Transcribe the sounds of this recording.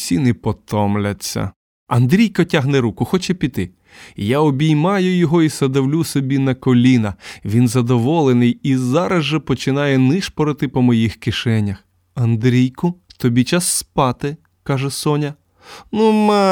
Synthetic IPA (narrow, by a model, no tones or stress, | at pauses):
sʲinɪpɔt̪ɔmlʲɐt͡sʲːɐ̰ | ɐnd̪ɾʲijkɐtʲaɦnɛɾukʊxɔt͡ʃɛpʲit̪ɪ | jaɔbʲijmɑjʊjɔɦɔisɐd̪ɐwlʲusɔbʲinɐkɔlʲinɐʋʲinzɐd̪ɔʋɔlˠenɪjizɑɾɐzʒɛpɔt͡ʃɪnɑjɛnɪʃpɔɾɔt̪ɪpɔmɔjixkɪʃɛnʲːɐx | ɐnd̪ɾʲijkʊt̪ɔbʲit͡ʃasːpɑt̪ɪ | kɑʒɛsɔnʲɐ | numɛ